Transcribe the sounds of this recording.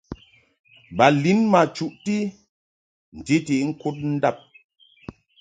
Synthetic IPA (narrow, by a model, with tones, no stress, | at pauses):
ba˨li˨˦nma˨t͡ʃu˦ʔti˦ | n̩˨ti˦ti˨˦ŋ̩˦ku˦t̚n̩˦da˦˨p̚